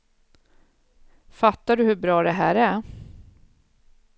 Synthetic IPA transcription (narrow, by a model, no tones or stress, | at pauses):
fat̪ːaɖɵhɵbɾɑːd̪ɛɦæ̰ːɾæɾ